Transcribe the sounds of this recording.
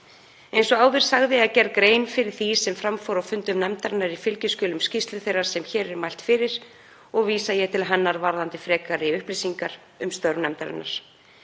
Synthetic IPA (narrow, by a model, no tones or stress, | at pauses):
ejnsɔɣaːwðɪɾ̥saɣðɪaðcɛrkɾeːjnfɪɾɪɾ̥θisɛmfɾamfɔɾawfʏnt̪ʏmnɛmt̪aɾɪnːaɾifɪlcʏscʏːlʏmscist̪lʏθejraɾ̥sɛmçɛːɾɛɾmajl̥t̪fɪɾɪɾ̥ | ɔɣviːsajɛt̪ʰɪlɦanːaɾvaɾðant̪ɪfɾɛːkaɾɪʏhplisiŋkaɾ̥ | ʏmst̪œɾnɛmt̪aɾɪ̰nːa̰ɾ̥